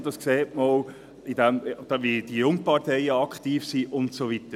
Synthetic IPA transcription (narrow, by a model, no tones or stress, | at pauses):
d̪ɑskseːtmol | idɛmd̥vid̥ijʊŋpɑɾtʰɛɪəɑkχtiːfsiʔʊntsovitə